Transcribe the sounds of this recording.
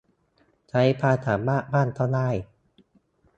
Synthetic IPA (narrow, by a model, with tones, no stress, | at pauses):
t͡ɕʰa˦˥jpʰaː˧t̪ʰaː˩˦mbaː˥˩baː˥˩˨nt̪ʰa˥˩naː˥˩j